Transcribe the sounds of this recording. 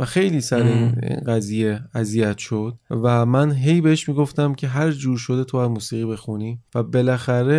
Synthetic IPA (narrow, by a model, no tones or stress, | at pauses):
væxe̞jliːsæɾeinḭnɢæzije̞æzijæt̪ʰʃo̞d̪̥̚væmænɦe̞jbe̞heʃmiːɡo̞ft̪æmcʲʰe̞ɦæɾd͡ʒuːɾʃo̞d̪et̪ʰoæzmuːsiːɣiːbe̞xuniːvæbe̞læxæɾe̞